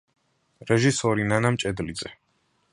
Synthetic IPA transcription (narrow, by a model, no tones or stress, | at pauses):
ɾɛʒisɔɾinanamt͡ʃʼɛd̪lid̪zɛ